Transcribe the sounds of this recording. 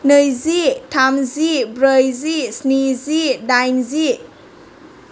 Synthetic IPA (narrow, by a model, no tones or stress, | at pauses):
nɯjzitʰamzibɾəjzisnizidajnzi